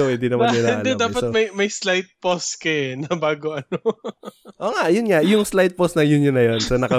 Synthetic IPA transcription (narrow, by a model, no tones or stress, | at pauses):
oɛd̪inɐmɐnɪnaɪːʔ̪ɐld̪ɛd̪aːpɐt̪omɐjmɐjslajt̪̚poskɐnɐbaːɡoʔɐno | ʔoːŋaʔjʊnŋaʔjʊŋslajt̪̚post̪nɐjʊnjʊnːɐjo̞nsɐnɐkɐ